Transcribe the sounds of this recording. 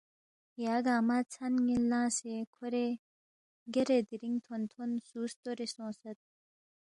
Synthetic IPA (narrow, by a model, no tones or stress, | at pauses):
jaɡamat͡sʰanŋinlãːsekʰoɾe | ɡeɾed̪iɾiŋt̪ʰont̪ʰonsuːst̪oɾesõːsət̪̚